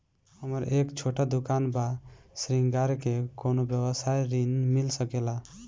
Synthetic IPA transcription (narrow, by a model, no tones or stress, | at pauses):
həməɾekt͡ʃʰoʈad̪ukanbasɾiŋɡaɾkekonobjəbəsajɾinmilsəkela